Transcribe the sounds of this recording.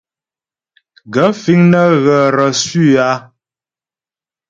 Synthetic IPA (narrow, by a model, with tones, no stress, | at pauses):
ɡə˨˦fi˦ŋnə˦ɣə˨ɾə˨sʉ˦˨a˨˦